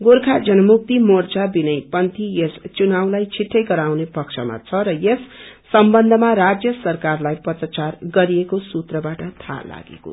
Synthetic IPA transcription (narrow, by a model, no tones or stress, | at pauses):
ɡorkʰad͡zʌnʌmuk̚t̪imort͡sabinʌjpʌnt̪ijest͡sunawlajt͡sʰiʈʰːʌjɡʌɾawnepʌkt͡sʰʌma̰t͡sʰʌɾʌjesː | ʌmbʌnd̪ʱʌmaɾad͡zjʌsʌrkarlajpʌt̪rʌt͡sarɡʌɾiekosut̪rʌbaʈʌt̪ʰa̰la̰ɡḛko̰